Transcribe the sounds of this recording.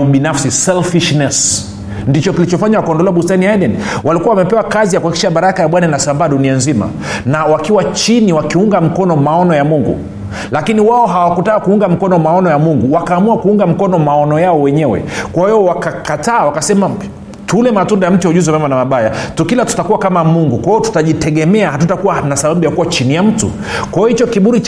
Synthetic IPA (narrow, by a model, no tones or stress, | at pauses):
ɓinafsisɛlfiʃnɛs | ndit͡ʃɔkilit͡ʃɔfaɲawakaɔndɔlɛwaɓustaniajɗɛn | wʔalikuawamɛpɛwakazijakuaikiʃaɓaɾakajaɓwananasambaːɗunianzima̰ | nawakiwat͡ʃiniwakiuŋɡam̩kɔnɔmaɔnɔjamuŋɡṵ | lakiniwaɔɦawakutaːkuuŋɡam̩kɔnɔmaɔnɔjamuŋɡuwakaːmuakuuŋɡam̩kɔnɔmaɔnɔjaɔwɛɲɛwɛ̰kwahiɔwakakataːwakasɛma | tulɛmatundajam̩tujauʄuzɛmamanamaɓajatukilatu̥takuwakamamuŋɡukwaiɔtu̥taʄitɛɠɛmɛahatutakuwanasaɓaɓujakuwat͡ʃinijam̩tṵ | kwajɔhit͡ʃɔkiɓuɾit͡ʃ